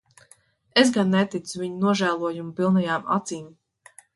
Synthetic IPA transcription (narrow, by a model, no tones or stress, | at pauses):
es̬ɡanːet̪it̪suviɲunuɔʒæːlˠuɔjumpilˠnɛjaːma̰t̪siːm